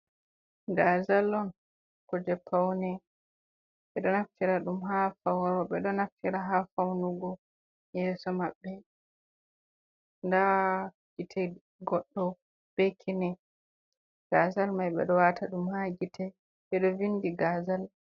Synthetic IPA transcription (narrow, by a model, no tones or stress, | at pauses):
ɡaːzalːɔn | kɔd͡ʒɛpʰːawnɛ | ɓɛɗɔnaftiɾaɗumɦafawɾɔɓɛɗɔnaftiɾaɦafawnuɡɔ | jɛːsɔmaɓːɛ | nda | ɡitʰɛ | ɡɔɗːɔ | b̥ɛkʰinɛ | ɡ̥azalmajɓɛ̰ɗɔwatʰaɗumhaɡitɛ | ɓɛɗɔvinːdiɡaːzal